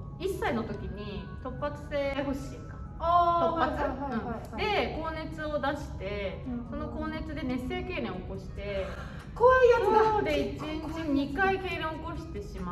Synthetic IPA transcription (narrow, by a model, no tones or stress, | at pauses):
isːaino̞t̪o̞kʲiɲ̟i | t̪o̞pːat͡sɨ̥seho̞ɕiːka | aaɯ̟̃ɴ | d̪e̞ko̞ːne̞t͡sɨo̞d̪aɕi̥t̪e̞so̞no̞ko̞ːne̞t͡sɨd̪e̞nẽ̞se̞ːke̞ːɾẽ̞ɰ̃oko̞ɕi̥t̪e̞ | koːjɯood̪eit͡ɕĩɲt͡ɕiɲ̟ikaike̞ːɾẽɰ̃oko̞ɕi̥t̪e̞ɕima